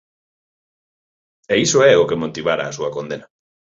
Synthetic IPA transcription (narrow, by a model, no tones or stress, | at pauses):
ɛisoɛʊkemot̪iβaɾa̰ːsuɐkond̪ena